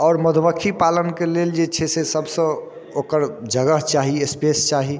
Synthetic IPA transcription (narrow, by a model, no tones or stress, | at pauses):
ɔːɾməd̪ʱʋəkʰipalənkeleld͡ʒet͡ʃʰɛsesəbsə̃ | okəɾd͡ʒəɡəɦt͡ʃaɦiespest͡ʃaɦi